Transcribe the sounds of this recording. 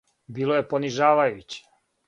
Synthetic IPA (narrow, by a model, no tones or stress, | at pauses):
biːlˠoje̞poniʒaːʋajut͡ɕe̥